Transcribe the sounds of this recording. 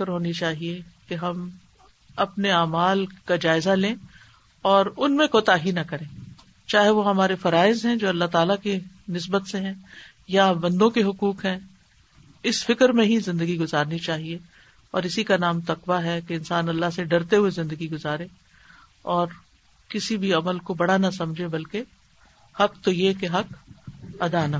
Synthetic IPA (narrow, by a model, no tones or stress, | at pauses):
ɪkəɾɦoːnit͡ʃaːɦiekeɦɐm | ɐpneaːmaːlkad͡ʒaːɪzalẽː | ɔːɾʊnmẽkoːt̪aɦinɐkɐɾẽː | t͡ʃaːɦeʋoɦɐmaːɾefɐɾaːɪzɦɛ̃d͡ʒoːɐlːaɦt̪aːlakinɪs̬bət̪seɦɛ̃ | jabɐ̃nd̪õkeɦʊkuːkɦɛ̃ | ɪsfɪkɾmẽɦizɪ̃nd̪əɡiɡʊzaːɾnit͡ʃaːɦie | ɔːɾɪsikanaːmt̪ɐqʋaɦɛkeɪ̃nsaːnɐlːaɦseɖɐɾt̪eɦuezɪ̃nd̪əɡiɡʊzaːɾẽː | ɔːɾ | kɪsibʱiɐməlkobɐɽanɐsɐmd͡ʒʱebɐlke | hɐk̚t̪ojekeɦɐk | ɐd̪ana